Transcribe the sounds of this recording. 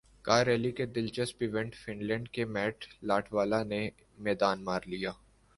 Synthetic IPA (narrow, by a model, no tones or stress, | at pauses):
kaːɾɛːliked̪ɪlt͡ʃəspiʋɛ̃ɳɖfɪnlɛ̃ːɳɖkemɛːʈʰlaːʈʰʋaːlane | mɛːd̪aːnmaːɾlijaː